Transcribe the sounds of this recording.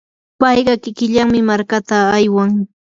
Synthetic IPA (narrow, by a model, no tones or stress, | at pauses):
pɑjɢɑkɪkɪʎaŋmɪmaɾkat̪aːjwaŋ